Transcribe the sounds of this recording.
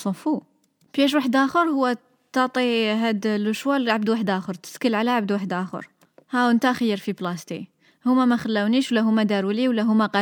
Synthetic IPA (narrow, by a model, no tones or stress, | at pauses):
sˤofu | bjæʃ̬waħəd̪ʔæxəɾhʊwːæ | t̪ɑt̪ˤiɦæd̪ləʃwælʕabd̪waħəd̪ʔæxəɾt̪ə̥skəlʕalæʕabd̪waħəd̪ʔæxə̰ɾ | hæwənt̪æxəjːəɾfiblɑst̪i | hʊmːæmæxælːæwniʃwlːæɦʊmːæd̪æɾwəliwlːæɦʊmːæqɑ